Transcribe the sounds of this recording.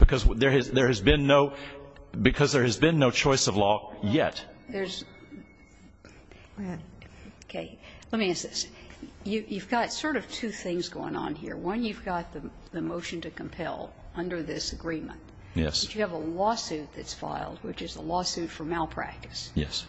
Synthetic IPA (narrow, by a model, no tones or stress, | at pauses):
b̥ɨkʰʌzðə˞ɨðə˞ɨzbɪ̃nːoʊ | bɨkʰʌzðə˞ɨzbɨ̃nːoʊt͡ʃʰɔɪsʌvlɔjɛ̰t̚ðə˞z | okʰeɪlɛt̚miæ̃nsɪsjɨjʉvɡɑtsɔɹɾʌv̥tʰʉθɪ̃ŋzɡoʊɪ̰̃ŋə̰̃nɦḭɹwʌ̃njʉvɡɑt̪̚ðɨ | ðɨmoʊʃɨ̃n̩tɨkʰɨ̃m̩pʰɛ̰lˠ | ʌ̃ndə˞ðɪsɨɡɹĩmə̰̃nt | jɛ̰st͡ʃɨːvəlɔsʉt̪̚ðɨtsfa̰ɪlˠd̚wɨt͡ʃɨzə̰lɔsʉtfə˞maɪlˠpʰɹ̥æ̰k̚tɨ̥sjɛ̰s